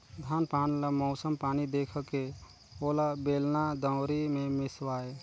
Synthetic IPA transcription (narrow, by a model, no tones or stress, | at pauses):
d̪ʱaːnpaːnləmɔʊsəmpaːnid̪eːkʰke | oːlabeːlnad̪ə̃ʊɾimẽmɪswaːe